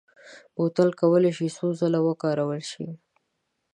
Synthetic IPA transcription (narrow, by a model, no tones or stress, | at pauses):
bot̪əlkawəleʃisozəlawəkɑɾawəlʃḭ